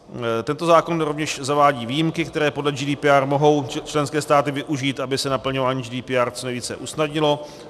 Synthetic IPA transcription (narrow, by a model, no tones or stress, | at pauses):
t̪ɛnt̪o̞zaːko̞nɾovɲɛʃzavaːɟiːviːjimkɪkt̪ɛɾɛːpodlɛd͡ʒiːdiːpiaːrmoɦo̞wt͡ʃlɛnskɛːst̪aːt̪ɪvɪʔuʒiːt̪ʔabɪsɛnapl̩ɲovaːɲiːd͡ʒidiːpiaːɾt͡sonejviːt͡sɛ̰ʔusnadɲɪlo̞